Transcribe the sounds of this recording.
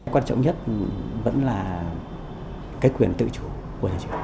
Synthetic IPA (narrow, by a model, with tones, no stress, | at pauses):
jkwa˧nt͡ɕɔ̰˧˨wŋ͡mɲə˦˥t̚və̰˧˥nlaː˨˩ | kaː˨˦jkwi˨˩ənt̪ɨ̰˧˨t͡ɕu˧˩ | ku˧˩ət̪ʰaː˨˩t͡ɕɨ̰˧˩